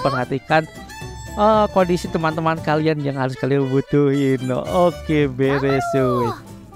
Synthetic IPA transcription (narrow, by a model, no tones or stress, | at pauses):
pərhat̪ikan | əkɔndisit̪əmant̪əmankalianjaŋhaɾʊskalianbud̪̥uhino̰okebeɾesu